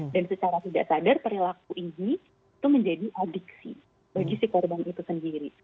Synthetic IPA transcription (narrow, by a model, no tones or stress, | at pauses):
dansət͡ʃaɾat̪idaʔsadarpəɾilak̚uʔini | t̪uməɲd͡ʒadiʔadɪksi | baɡisihkɔrbanit̪usəndiɾi